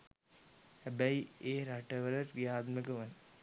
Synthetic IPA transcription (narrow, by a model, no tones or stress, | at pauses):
hæbæieːɾaʈəʋələʈʋijaːd̪məkəʋən